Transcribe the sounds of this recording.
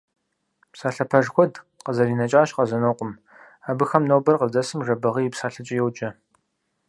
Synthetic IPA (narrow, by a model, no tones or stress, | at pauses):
psaːɬɐpʰɐʐxʷɔd | qəzɐriːnɐt͡ʃʼaːʃqɐzɐnowqʷʊm | aːbɨxɐmnowbɐrqəd͡zɐsɨmʐɐbɐʁijipsaːɬɨt͡ʃʼɐjɛwd͡ʒʼɐ